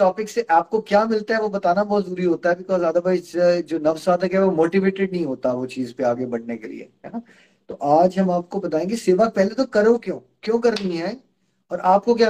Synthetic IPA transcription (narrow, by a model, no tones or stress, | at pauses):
ʈɔːpɪkseʔaːp̚kokjaːmɪlt̪aɦɛʋobɐt̪aːnabɔːt̪zuːɾiɦoːt̪aɦɛbɪkɔːzaːd̪abaːisd͡ʒoːnɐfsʋaːd̪əkɦɛʋomoːʈiʋeːʈeɖ̚nɐɦĩɦoːt̪aʋot͡ʃiːzpeaːɡebɐɽ̤nekḛlḭḛɦɛ̰ːna | t̪oʔaːd͡ʒɦɐ̃maːp̚kobɐt̪aːẽːŋɡeseːʋapɛɦlet̪okɐɾõkjõːkjõːkɐɾnəĩɦɛː | ɔːɾʔaːp̚kok̬jaː